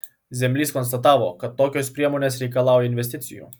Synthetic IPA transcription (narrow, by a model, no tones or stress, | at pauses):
zɛmlʲiskɔns̬t̪at̪aːʋɔkat̪ːoːkʲɛwspɾiɛmunɛsɾʲikalaːwɔjinʋɛs̬t̪it̪sʲḭjṵ